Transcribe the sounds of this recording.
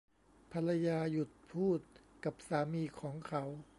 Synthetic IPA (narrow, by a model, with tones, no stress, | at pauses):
pʰa˧la˧jaː˧ju˨˩t̪̚pʰuː˥˩t̪̚ka˨˩p̚saː˩˦miː˧kʰɔː˩˦ŋkʰa˩˦w